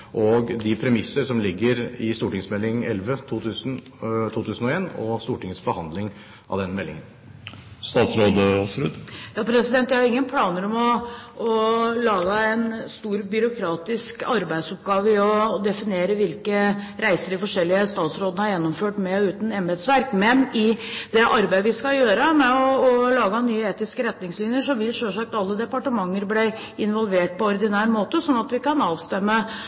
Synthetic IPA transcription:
ʔɔɡd̪ɪpʰɾɛmɪsəɾʂɔmlɪɡːəɾɪst̪uːʈɪŋsmɛlːɪŋɛlʋət̪ʰuːt̪ʰʉːsn | t̪ʰuːt̪ʰʉːsn̩ɔeːnɔst̪uːʈɪŋəsbɔhɑnd̪lɪŋ | ʔɑ̰ʋd̪ɛnmɛlːɪ̰ŋən | st̪ɑːt̪sɾoːd̪əɔsɾʉd̪jɑːpʰɾɛsɪd̪ɛnt̪jæɪhɑɾɪŋːənpʰlɑːnəɾɔmɔɔlɑːɡəæɪnst̪uːɾbʏɾʊkʰɾɑːt̪ɪskɑɾbæɪd̪sɔp̚ɡɑːʋəɪɔd̪ɛfɪneːɾəʋɪlkəɾæɪsəɾɪfɔʂɛlːɪəst̪ɑːt̪sɾoːd̪ənəɑɾjɛnːɔmføːʈmɛʉːt̪n̩ɛmbɛd̪sʋæɾkmɛnɪd̪ɛʔɑɾbæɪʋɪskɑjøːɾəmɛɔːlɑːɡɑnyːəeːt̪ɪskəɾɛt̪nɪŋslɪnjəʂɔʋɪlʂøʂɑk̚t̪ɑlːəd̪ɛpɑʈəmɑŋːəɾblæ | ɪnʋɔlˠʋeːʈ̚pɔɔɾd̪ɪnæːɾmoːt̪əsɔnːɑt̪ʋɪkɑnɑːʋst̪ɛmːə

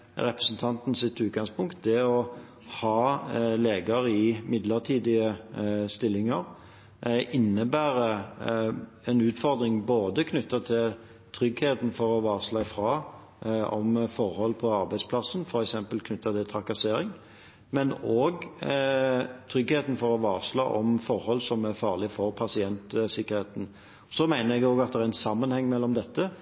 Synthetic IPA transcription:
ɾɛpɾəsn̩t̪ʰɑnt̪n̩sɪt̪ːʉːt̪̚ɡɑŋspʊŋkt̪̚d̪ɛɔ | hɑːleːɡəɾɪmɪd̪ləʁt̪ʰiːd̪ɪəst̪ɪlːɪŋəɾ | ʔɪnːəbæːɾə | ɛnʉːt̪fɔʁd̪ɾɪŋboːd̪əkʰnʉt̪ːɑt̪ʰɪl | t̪ʰɾʏɡheːt̪n̩fɔɾɔʋɑːʁslɑɪfɾɑː | ʔɔ̰mfɔɾhɔlːpʰɔɑɾbæɪd̪spʰlɑsnfɔɾɛksɛmpəlkʰnʏt̪ːɑt̪ʰɪlt̪ʰɾɑkɑseːɾɪŋ | mɛnoːɡ | t̪ʰɾʏɡheːt̪n̩fɔɾɔʋɑːʁʂlɑ̰ːʔɔmfɔɾhɔlːsɔmæfɑːʁlɪfɔɾpʰɑsɪɛnt̪sɪkːəɾheːt̪n̩ | sɔmæɪnəɾɛɡoːɡɑt̪̚d̪ɛʁæɾɛnsɑmːənhɛŋːmɛlːɔmd̪ɛt̪ːə

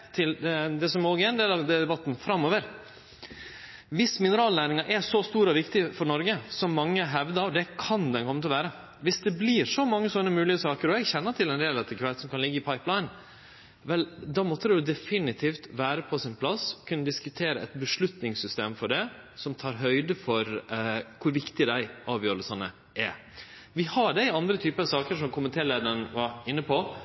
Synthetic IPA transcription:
t̪ʰɪld̪ɛsɔmoːɡəɾɛnd̪eːlɑʋd̪ɛd̪ɛbɑt̪ːn̩fɾɑmːoːʋəɾ | ʋɪsmɪnəɾɑːlnæːɾɪŋɑɾʔɛʂɔst̪uːɾəɔʋɪkt̪ɪfɔɾɳɔɾɡəsɔmːɑŋːəɦɛʋd̪ɑd̪ɛkʰɑnd̪ɛnkʰɔmːət̪ɪlʋæːɾə | ʋɪsd̪ɛblɪɾʂɔmɑŋːəsɔnːəmʉːlɪəsɑːkəɾɔɛɡçɛnːəʈʰɪlɛnd̪eːlɑt̪ʰːəkʰʋɛːt̪sɔmkʰɑnlɪɡːəɪpʰɑɪplaɪn | ʋɛld̪ɑːmɔt̪ʰːəd̪ɛjʊd̪ɛfɪnɪt̪ʰiːft̪ʋæːɾəpʰɔsɪnpʰlɑskʰʉnːəd̪ɪskʉt̪ʰeːɾəʔɛt̪bəʂɭʉt̪nɪŋsʏst̪eːmfɔɖɛsɔmt̪ʰɑːɾɦœʏd̪əfɔɾkʰʊɾʋɪkt̪ɪd̪æɪʔɑːʋjøːɾəsɑnə̰ | ʔɛ | ʋɪhɑɖɛɪɑnd̪ɾət̪ʰyːpəɾɑsɑːkəɾʂɔmkʰʊmənt̪ʰeːleːd̪ɑɾənʋɑɾɪnːəpʰɔ

